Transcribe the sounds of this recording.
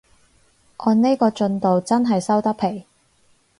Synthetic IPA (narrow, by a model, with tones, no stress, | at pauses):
ʔɔː˨˧nne˥jkɔː˧t͡ʃɵ˧nt̪o˨wt͡sɐ˥nɦɐ˨jsɐ˥wt̪ɐ˥pʰe˨˩j